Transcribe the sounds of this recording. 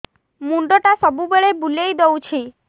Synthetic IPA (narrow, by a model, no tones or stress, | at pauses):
muɳɖɔʈasɔbubeɭebulejd̪owt͡ʃʰi